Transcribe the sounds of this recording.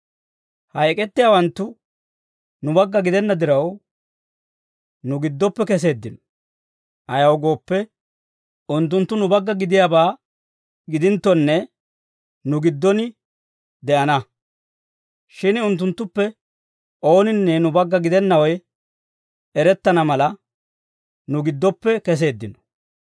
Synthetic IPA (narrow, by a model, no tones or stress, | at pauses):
hɐjkʼɛt̪ːɪjaːwɐnt̪ːʊ | nʊbɐɡːɐɡɪd̪ɛnːɐd̪ɪɾɐw | nʊɡɪd̪ːɔpːɛkɛs̬e̞ːd̪ːɪnɔ̥ | ʔɐjɐwɡo̞ːpːɛ | ʊnt̪ːʊnt̪ːʊnʊbɐɡːɐɡɪd̪ɪjaːbaː | ɡɪd̪ɪnt̪ːɔnːɛ | nʊɡɪd̪ːɔnɪ | d̪ɛʔɐnɐ | ʃɪnʊnt̪ːʊnt̪ːʊpːɛ | ʔo̞ːnɪnːɛnʊbɐɡːɐɡɪd̪ɛnːɐwɔj | ɛɾɛt̪ːɐnɐmɐlɐ | nʊɡɪd̪ːɔpːɛkɛs̬e̞ːd̪ːɪnɔ̥